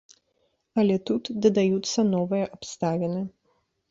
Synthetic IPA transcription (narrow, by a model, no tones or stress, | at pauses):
ɐlʲɛt̪ut̪d̪ɐd̪ajut̪sːɐnɔvɨjɐʔapst̪avʲɛnɨ